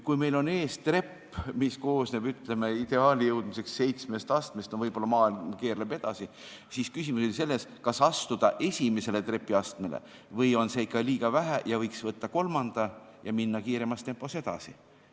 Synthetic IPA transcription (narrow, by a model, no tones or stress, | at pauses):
kujme̞jlo̞ne̞ːst̪re̞pː | misko̞ːsnebyt̪leme̞id̪̥e̞ɑːlijɤwd̪̥mise̞ksse̞jt̪sme̞st̪ɑst̪mest̪novɤjb̥o̞lːɑmɑːilmkeːrlebe̞d̪̥ɑsi | siskysimuso̞lise̞lːeskɑsɑst̪ud̪̥ɑʔe̞sʲime̞se̞le̞t̪re̞pːˑiɑst̪me̞lḛ | vɤjo̞nse̞ikːɑliːɡ̥ɑvæɦæjɑvɤjksvɤt̪ːɑko̞lmɑnd̪̥ɑjɑminːɑkiːɾemɑst̪e̞mpːˑo̞se̞d̪̥ɑ̰si